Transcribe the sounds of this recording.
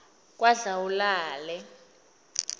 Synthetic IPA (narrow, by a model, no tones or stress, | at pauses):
k̬ʼwaɮawulaːlɛ